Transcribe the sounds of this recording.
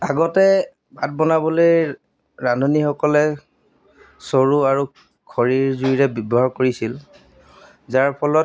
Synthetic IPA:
aɡɔtɛ | bʱat̚bɔnabɔloj | ɹanɔnixɔkɔlɛ | soɹuaɹu | kʰɔɹiɹzuiɹɛbubɔɦaɹkoɹisil | zaɹpʰɔlɔt

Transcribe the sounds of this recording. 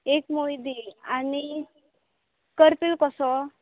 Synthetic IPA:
ekmojd̪iani | kəɾpilkɔsɔ

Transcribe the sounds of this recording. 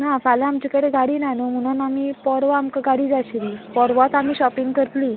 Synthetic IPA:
nafalaamt͡ɕikəɽeɡʱaɽiːnanum̤əɽ̃unamipɔɾʋaːmkaɡʱaɽiːd͡zaɕɾipɔɾʋat̪amiːɕɔpiŋɡkəɾt̪li

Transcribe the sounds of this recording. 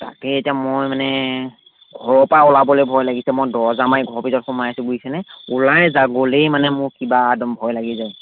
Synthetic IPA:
ta̰kɛetiamojmanɛ | ɡʱɔɹɔpaɔlabɔlejbʱɔjlaɡisɛmɔjdɔɹzamajɡʱɔɹpizɔtxʊmajasɛɡuisɛnɛulajzaɡolejmanɛmʊɹkibadɔmbʱɔjlaɡizaj

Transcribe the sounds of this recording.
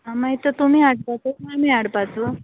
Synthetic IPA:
ɦamait̪ət̪umiːaɽpat͡somamiaɽpat͡so

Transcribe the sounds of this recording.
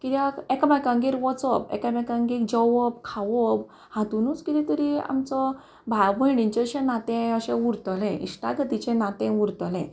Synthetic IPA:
kit̪jakɛkamakãŋɡiɾʋɔt͡sɔbɛ̰kamãkãŋɡik̚d͡ʑɔʋɔb̚kʰaʋɔb | hãt̪unut͡skit̪it̪əɾia̰mt͡sɔ | bʱawbəɽĩɲt͡ɕəɕenat̪ẽəɕɛ̃ʋuɾt̪əlẽḭsʈa̰ɡət̪it͡ɕẽnat̪ẽʋuɾt̪əlɛ̰̃

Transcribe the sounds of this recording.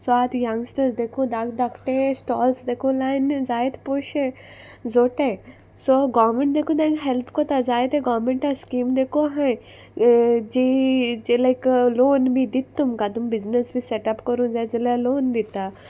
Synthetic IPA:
soat̪jãŋɡsʈəsd̪ekʰud̪akd̪akʰʈesʈɔːlsd̪ekʰulajnd͡zajet̪poʃẽzoʈe | soɡɔʋmẽɳʈd̪ekʰũd̪ãŋɡɦɛlpʰkɔt̪ad͡zajet̪eɡɔʋmẽɳʈaskiːmd̪ekoɦãj | d͡ʒid͡ʒelakloːnbʱid̪it̪ːumkat̪umbiznəsbʱiseʈɐpkəɾũnd͡zad͡zelaloːnd̪it̪ːa

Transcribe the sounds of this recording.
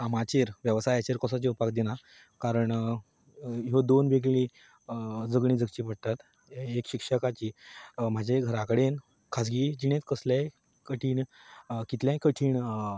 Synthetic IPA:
samat͡ɕeɾʋjəʋsajat͡ɕeɾkəsat͡ɕeupakd̪ina | kaɾəɳ | ɦod̪onʋeɡɭi | d͡zəɡɳ̃iːd͡zəkt͡ɕiːpəɽt̪at̪ | ekɕikʂəkat͡ɕiːm̤ad͡ʑʱaɡʱəɾakəɽen | kʰas̬ɡid͡ʑiɽẽt͡skəslja | kəʈʰiːɳkit̪ljãkəʈʰiːɳ

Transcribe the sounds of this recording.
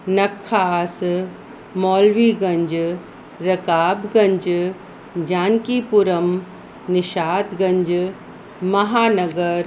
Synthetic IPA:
nɐkʰːaːs | mɔːlʋiɡɐ̃ɲd͡ʒ | ɾɐkaːbɡɐ̃ɲd͡ʒ | d͡ʒaːnkipuɾəm | nɪʃaːd̪ɡɐ̃ɲd͡ʒ | mɐɦaːnɐɡəɾ

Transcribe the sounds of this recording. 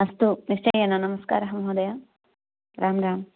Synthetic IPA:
ɐst̪unist͡ʃɐjɐnɐnɐmɐska̰ːɾɐɦɐmɐɦɐːd̪ɐja | ɾʔaːmɾaːm

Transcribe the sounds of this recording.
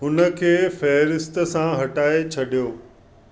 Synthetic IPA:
ɦʊnə̆kʰeːfɛːɾɪst̪ə̆sãɦɐʈaːet͡ɕʰɐɗijoː

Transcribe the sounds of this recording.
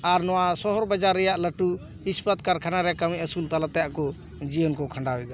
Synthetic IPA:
aɾnɔwasɔɦɔɾbad͡ʒaɾːɛjaʔləʈu | hispat̪̚kaɾkʰanaɾɛkawiʔəsult̪alat̪ɛjaʔkɔ | d͡ʒiɔnkɔkʰãɳɖawɛd̪ɔ

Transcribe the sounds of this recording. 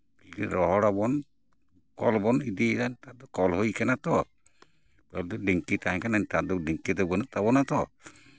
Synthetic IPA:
idḭɾɔɦɔɽabɔn | kɔ̰lbɔnid̪idant̪ad̪ɔkɔlɦojkɛnat̪ɔ | pɛld̪ɔɖiŋkit̪aɛ̃kanant̪ad̪ɔɖiŋkid̪ɔbɔt̪abɔnat̪ɔ

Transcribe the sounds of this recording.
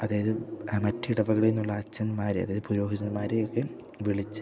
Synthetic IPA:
ɐðaːjɐðɨmɐtːiɽɐʋɐɣɐɭinːuɭːɐːt͡ɕːɐnmaːɾeɐðaːjɐðɨpuɾo̞ːɡit͡ɕɐnmaːɾejokːe | ʋiɭit͡ɕːɨ̥

